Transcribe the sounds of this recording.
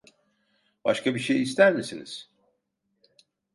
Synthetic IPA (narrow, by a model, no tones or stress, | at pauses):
b̥a̰ʃkʰabiʃejist̪ʰæɾmisinḭz̥